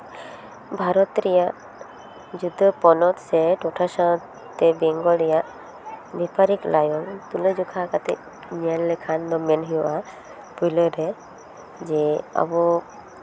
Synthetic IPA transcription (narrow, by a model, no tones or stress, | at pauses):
bʱaɾɔt̪ɾɛjaʔ | d͡ʒud̪ʱɔpɔnɔt̪sɛʈɔʈʰasat | t̪ɛbɛŋɡɔɛjaʔ | bɛpaɾiklʔajɔnt̪uled͡ʒukʰakat̪ɛ̰ | ɲianlekʰand̪ɔmɛnɦijɔʔa | pujləɾɛ | d͡ʒɛa̰bɔ